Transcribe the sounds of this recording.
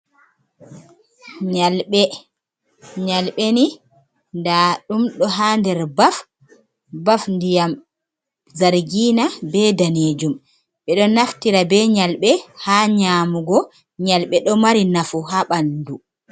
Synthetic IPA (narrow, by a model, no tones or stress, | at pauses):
ɲalɓɛ | ɲalɓeni | ndaɗumɗɔɦaːndɛɾbaf | bafndijam | zaɾɡiːnabɛdaneːd͡ʒum | ɓɛɗɔnaftiɾabɛɲalɓɛhaːɲaːmuɡɔ | ɲalɓɛɗɔmaɾinafuɦaɓandu